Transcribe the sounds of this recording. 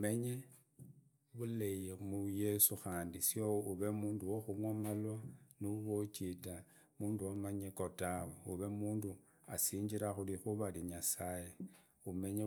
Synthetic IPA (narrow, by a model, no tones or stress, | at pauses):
me̞ɲe | βulejemujesuxaːndisjouβe̞muːnduwoxumwamalwanuβot͡ʃita | muːnduwamaɲekotaweuβe̞muːndu | a̰siːɲd͡ʒiɾaxulixuβaliɲasaje | ume̞ɲe